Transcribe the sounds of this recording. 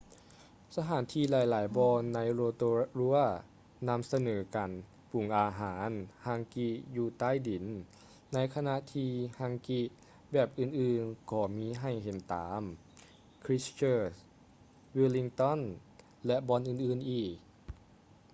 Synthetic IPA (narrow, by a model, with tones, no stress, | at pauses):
sa˧ɦaː˩˦nt̪ʰiː˧laː˨˩˦jlaː˨˩˦jbɔː˧nːa˧˥jo˧t̪o˧ɾu˧˥ɐ | na˧˥msa˧nɤː˩˦kaː˨˦n | pu˨˩˦ŋʔaː˨˧ɦaː˩˦nha˧ŋki˧juː˧˩t̪aː˧˥˨jdi˨˩˦nː | a˧˥jkʰa˧na˧ʔt̪ʰiː˧ha˧ŋki˧ | bɛː˨˩p̚ʔɯː˧˩nʔɯː˧˩nkɔː˧˩miː˧˥ɦa˧˩jɦe˨˦nt̪a̰ː˩˦m | kʰɾi˦˥st͡ɕɤː˧˩s | wiː˧li˧ŋt̪ɔ˧˥˨n | lɛ˧ʔbɔː˧nʔɯː˨nʔɯː˧˩nʔiː˨˩k̚